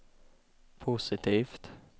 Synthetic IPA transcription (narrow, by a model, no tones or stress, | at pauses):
pʰʊsɪt̪ʰiːft̪